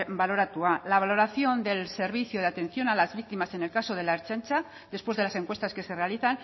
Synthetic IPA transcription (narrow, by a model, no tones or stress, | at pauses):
balo̞ɾat̪ualaβ̞alo̞ɾaθjo̞nd̪e̞lse̞ɾβ̞iθjoð̞e̞at̪e̞n̟θjo̞nalazβik̚t̪imase̞nelkaso̞ð̞e̞laeɾt͡ʃant͡ʃa | d̪e̞spwezðelase̞ŋkwe̞st̪aske̞se̞realiθan